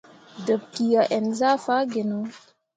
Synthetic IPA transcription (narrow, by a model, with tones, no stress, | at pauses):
də˨p̚ki˨ja˨ʔɛ˨nza˦fa˦ɡe˨no˦